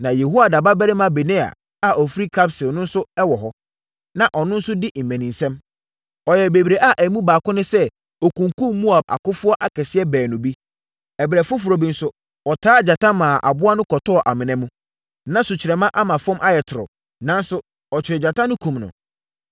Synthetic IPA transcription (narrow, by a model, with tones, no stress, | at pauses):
nã˨jɛ˨ɦu˦a˨da˨ba˦bɛ˦ɾɪ˦mã˦be˨nẽ˦a̰˨ | a˨ʔɔ˨fi˦ɾi˦kʰa˦bsɪ˨nʊ̃˦n̩˦sʊ˦ɛ˦wɔ˨ɦɔ˦ | nã˨ʔɔ˨nʊ̃˦n̩˦sʊ˦dɪ˦m̩˨mæ̃˨nĩ˨nsɛ̃˦m | ɔ˨jɛ˨be˨bi˨ɾe˨ʔa˦ʔæ˨˦mũ˦baː˨kʊ̃˦nʊ̃˦sɛ˦ | ɔ˨kũ˨ŋkũ˦mmu˦a˨b̚a̰˨kʊ˦fʊ˦ɔ˦ʔa˨kʰɛ˨sɪ˦ɛ˦bɛː˨nʊ̃˨bi˦ | ɛ˨bɾɛ˨fʊ˦fʊ˨ɾɔ˨bi˨n̩˦sʊ˦ | ɔ˨tʰaː˦˨d͡ʑa˨tã˦mãː˨ʔa̰˨bʊ˦a˦nʊ̃˦kʰɔ˨tɔ˦ɔ˨ʔa˨mɪ̃˨nɛ̃˨˦mũ˦ | nã˦sʊ˨t͡ɕʰɪ˨ɾɛ˨mã˦ʔa˦mã˨fɔ̃˦mʔa˦jɛ˨tʰʊ˨ɾɔ̰˨ | nã˦n˦sʊ˦ | ɔ˨t͡ɕʰɪ˨ɾɪ˨d͡ʑa˨tʰã˦nʊ̃˦kʰũ˨mnʊ̰̃˨